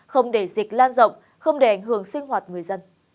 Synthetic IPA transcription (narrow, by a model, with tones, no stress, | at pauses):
xə˧wŋ͡mɗe˧˩zi˨˩k̟̚laː˧nzə̰˧˨wŋ͡m | xə˧wŋ͡mɗe˧˩ʔa˧˩jŋ̟ɦɨ˧˩əŋsï˧ŋ̟hɦwaː˨˩t̚ŋɨ˨˩əjzə˧n